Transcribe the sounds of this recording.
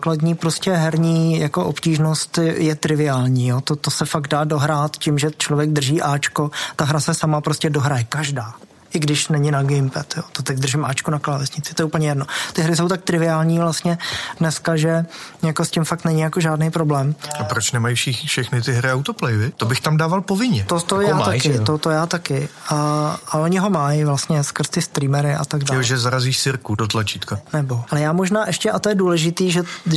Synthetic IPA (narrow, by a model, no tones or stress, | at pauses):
akladɲiːpɾoscɛɦɛɾɲiːjako̞ʔopciːʒno̞st̪jɛt̪ɾɪvɪaːlɲiːjot̪ot̪osɛfaɡdaːdo̞ɦɾaːt̪cɪmʒɛt͡ʃlovjɛɡ̚d̪r̩ʒiːʔaːt͡ʃko̞t̪aɦɾasɛsamapɾo̞scɛdo̞ɦɾajɛkaʒdaː | ʔɪɡdɪʃnɛɲɪnaɡɪmpɛt̪joːt̪ot̪ɛɟd̪r̩ʒɪmʔaːt͡ʃkunaklalɛsɲɪt͡sɪ̥t̪o̞jɛuːpəɲɛjɛdno̞t̪ɪɦɾɪs̬o̞wt̪̬ak̚t̪ɾɪvɪaːlɲiːvlast̪ɲɛdnɛskaʒɛjako̞scɪmfak̚t̪nɛɲɪjako̞ʒaːdnejpɾo̞blɛːmʔapɾot͡ʃnɛmajfʃɪxfʃɛxnɪt̪ɪɦɾɪawt̪oplɛjɛvɪt̪obɪxt̪amdaːvalpovɪɲɛt̪ot̪ojaːt̪akɪt̪ot̪ojaːt̪akɪaaʔoɲɪɦo̞majvlast̪ɲɛskr̩st̪ɪst̪ɾiːmɛɾɪʔa̰t̪aɡdaːoʒɛzaɾaziːʃsɪɾkudot̪lat͡ʃit̪kanɛbo̞ʔalɛjaːmoʒnaːʔɛʃcɛʔat̪ojɛduːlɛʒɪt̪iːʒɛ